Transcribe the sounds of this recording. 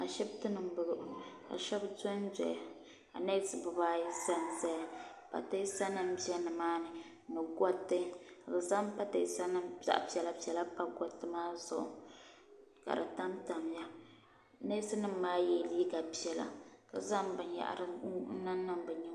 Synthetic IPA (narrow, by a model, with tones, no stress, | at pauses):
a˨ʃɛ˦btɨ˦nɨ˨m̩˦bɨ˨ɡɨ˨ʔka̰˨ʃɛ˦bzo˦n˦zɛ˨ʔa˨ | ka̰˨ne˦sɨ˨bɨ˨baː˦ji˦za˦n˨za˦ja˨pa̰˨ta˦i˦sa˦nɨ˦m˦bi˦ɛ˦nɨ˨maː˦nɨ˨ | nɨ˨ɡɔ˦tːɨ˦a˨bɨ˨za˦mpa˦ta˨i˦sa˦nɨ˦mza̰˦ʔpi˨˦ɛ˨la˦pi˨ɛ˨la˦pa˦ɡɔ˦tːɨ˦maː˦zʊ̰˨ʔʊ̰˨ | ka̰˨dɨ˨ta˦mta˨m˨ja˦ | ne˦sɨ˦nɨ˦m̩ː˦aː˦jɛ˨li˦ɡa˨pi˦ɛ˨la̰˨ka˨za˦m˦bɨ˨nja̰˨ʔa̰˨ɾɨ˨˦n̩˦na˦nː˦ɨ˦m˦bɨ˨ɲɛ˦